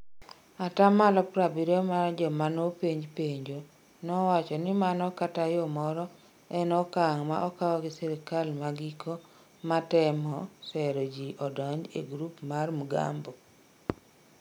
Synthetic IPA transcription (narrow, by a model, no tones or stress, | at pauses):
atamalɔpɾabiɾɔmad͡ʒɔmanopeɲd͡ʒpeɲd͡ʒo | nɔwat͡ʃɔnɪmanɔkatajɔmɔɾɔ | ɛnɔkaŋma̰ʔɔkawɔɡɪsɛɾɪkalmaɡikʰo | matɛmɔsɛɾod͡ʒiʔɔdɔɲd͡ʒḛɡɾupmarmuɡa̰mbo